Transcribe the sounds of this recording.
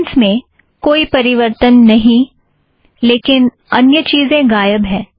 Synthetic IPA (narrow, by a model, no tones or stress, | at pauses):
nsmẽ | koːipɐɾɪʋəɾt̪ənːɐɦĩ | leːkɪn | ɐnjət͡ʃiːzẽɡaːjəbɦɛ̃ː